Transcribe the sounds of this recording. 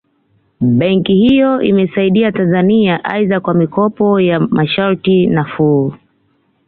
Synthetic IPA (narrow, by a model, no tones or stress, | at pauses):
ɓɛŋkihijɔʔḭmɛsaiɗiatanzaniaʔa̰iðakwamikɔpɔjamʔaʃaɾtinafu